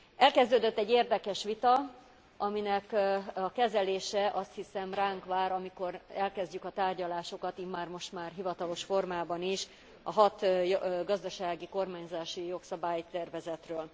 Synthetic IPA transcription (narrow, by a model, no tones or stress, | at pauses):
ɛlkɛzd̪øːd̪øt̪ːɛɟːeːrd̪ɛkɛʃʋit̪ɒ | ɒminɛkɒkɛzɛleːʃɛʔɒst̪hisɛmraːŋkʋaːɾɒmiko̞ɾɛlkɛzɟykɒt̪aːrɟɒlaːʃo̞kɒt̪iːmːaːrmo̞ʃt̪maːrɦivɒt̪ɒlo̞ʃfo̞rmaːbɒniʃ | ɒɦɒt̪jɡɒzd̪ɒʃaːɡiko̞rmaːɲzaːʃijo̞ksɒbaːjt̪ɛrvɛzɛt̪røːl